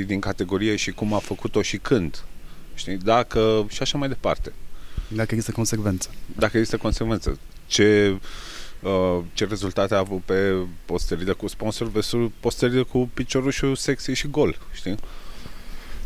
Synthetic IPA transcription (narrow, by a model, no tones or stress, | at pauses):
id̪iŋkat̪e̞ɡo̞ɾije̞ʃikumafəkut̪o̞ʃikʰɨnd̪ʃt̪id̪akəʃiaʃamajd̪e̞pa̰rt̪e̞d̪akəeɡzist̪əko̞nsekve̞nt̪sə̥d̪akəeɡzist̪əko̞nse̞kve̞nt̪sə̰ | t͡ʃe̞ | ət͡ʃe̞ɾe̞zult̪at̪eavut̪̚pe̞po̞st̪əɾilekuspo̞nso̞rvesulpo̞st̪əɾilekupit͡ʃo̞ɾuʃuse̞ksieʃiɡo̞lʃt̪i